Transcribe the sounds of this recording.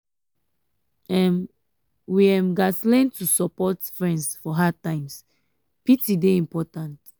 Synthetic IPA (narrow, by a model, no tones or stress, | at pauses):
ɛ̃m | wiɛ̃mɡaslɛ̃ntusɔpɔtfɹɛ̃ndsfɔɦad̚tãɪ̃ms | pitideĩmpɔtãnt